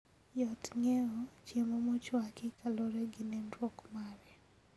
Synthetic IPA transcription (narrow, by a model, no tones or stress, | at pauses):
jɔtŋɛɔt͡ʃemɔmɔt͡ʃɔakɪkaloɾeɡɪnendwɔkmaɾɛ